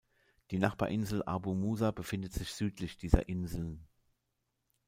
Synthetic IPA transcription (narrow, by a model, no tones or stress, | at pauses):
d̥iːnaχb̥aːɐʔɪnzl̩ʔa̰bumuːzabəfɪndətz̥ɪçz̥yːtlɪçd̥iːzɐ̰ʔɪnzl̩n